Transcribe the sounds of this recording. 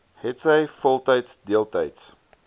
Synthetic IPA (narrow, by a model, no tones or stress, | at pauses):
hɛtsəjfɔlˠtɐjtsdiəlˠtɐjts